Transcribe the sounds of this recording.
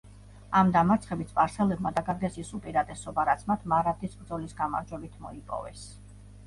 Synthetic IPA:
amd̪amaɾt̪sʰχɛbit̪sʰpʼaɾsɛlɛbmad̪aɡaɡ̪ɛsisupʼiɾat̪ʼɛsɔbaɾat̪sʰmat̪ʰmaɾat̪ʰiskʼɾd̪zɔlisɡama̰ɾd͡ʒwɛbit̪ʰmɔ̰ipʼɔ̰vɛ̰s

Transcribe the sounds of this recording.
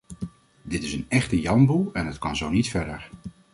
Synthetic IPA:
dɪtɪsənɛχtəjɑmbulˠɛnɦətkɑnzownitfɛɹdə̰ɹ

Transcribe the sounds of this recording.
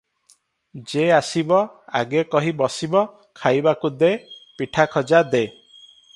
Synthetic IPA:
d͡ʒeasibɔa̰ɡekɔɦibɔsibɔ | kʰajbakud̪epiʈʰakʰɔd͡ʒad̪e

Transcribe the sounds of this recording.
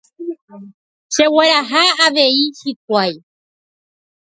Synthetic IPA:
ʃe̞weɾaɦaaʋe̞iʃik̚ʷaj

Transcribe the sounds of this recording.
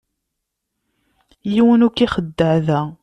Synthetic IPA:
jiwənukːiχəd̪ːəʕðæ

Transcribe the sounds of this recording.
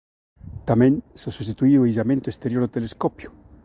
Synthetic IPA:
t̪amẽnsesust̪it̪uiuejʒamẽnt̪oest̪eɾjoɾot̪eleskopjo̥

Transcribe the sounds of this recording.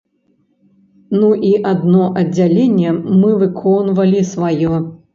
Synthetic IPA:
nuʔiʔad̪nɔʔɐd͡zʲalʲenʲːɛmɨvɨkʰɔnvɐlʲisvajɔ

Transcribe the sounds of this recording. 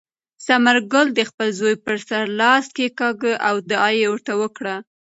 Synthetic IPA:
samaɾɡʊld̪əxpəlzojpəɾsaɾlɑskekɑɡəʔawd̪əɑjewəɾt̪awəkɽa

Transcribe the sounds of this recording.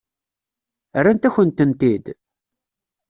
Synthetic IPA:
ərːant̪æçənt̪ənt̪id̪

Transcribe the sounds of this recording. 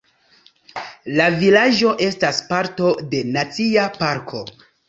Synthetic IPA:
lavilad͡ʒo̞ʔe̞staspaɾto̞de̞nat͡siapaɾkʰo̞

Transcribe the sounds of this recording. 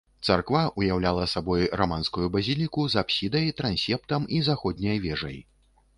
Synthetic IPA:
t̪sarkvaʔujawlʲalˠɐsabɔjrɔmanskujubɐzʲilʲikuzapsʲid̪ɐjt̪ɾanʲsʲɛp̚t̪ɐmizaxɔd̪ʲnʲɐjvʲɛʐɐ̰j

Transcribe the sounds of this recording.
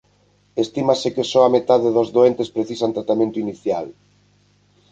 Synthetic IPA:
est̪imasɪkesɔamet̪aðeðozðoent̪espɾeθisant̪ɾat̪amẽnt̪oiniθjal

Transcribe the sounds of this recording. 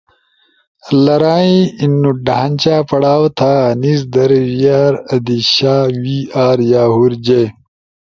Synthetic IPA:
lɐɾaːĩinːuɖaɦãnʲt͡ɕaːpɐɽaːwt̪ʰaːnis̬d̪ɐɾwijaːɾɐd̪iɕaːwiːaːɾjaːɦuɾd͡ʑe

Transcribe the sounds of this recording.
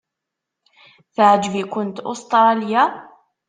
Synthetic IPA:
θaʕad͡ʒbikʊnt̪ʔʊ̰st̪ˤɾˤɑːlɪja

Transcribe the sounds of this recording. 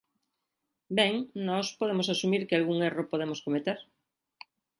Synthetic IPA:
bɛŋnɔspoðemosasumiɾkɪalɣuŋeropoðemoskomet̪eɾ

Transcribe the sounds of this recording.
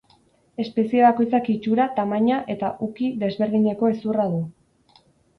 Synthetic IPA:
e̞spe̞sieβako̞jt͡sakit͡ʃuɾat̪amaɲaʔe̞t̪aʔukiðe̞zβe̞ɾð̞iɲe̞ko̞e̞suraðu

